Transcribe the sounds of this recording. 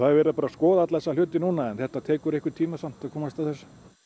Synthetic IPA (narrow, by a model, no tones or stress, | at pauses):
θaðɛɾvɛːɾɪðapaːɾaskɔːðat̪laɛsal̥ʏːt̪ɪnunaɛnθɛht̪at̪ʰɛːkʏɾehkvɪ̥t̪ʰiːmasam̥t̪aðkʰɔːmast̪aθɛsːḁ